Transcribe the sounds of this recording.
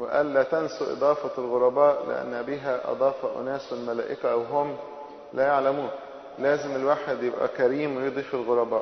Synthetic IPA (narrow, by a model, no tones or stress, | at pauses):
weʔæ̰ːlːæːt̪ænsuʔḛd̪ˤɑːfɑlɣoɾˤɑbɑːʔlḛʔæ̰nːæbiːɦæʔɑ̰d̪ˤɑːfɑʔo̰næːswelmælæ̰ːʔɪkæweɦʊm | læjaʕlæmuːn | læːzemelwaːħed̪jebʔæ̰kæɾiːmwejd̪ˤiːfelɣoɾˤɑbɑːʔ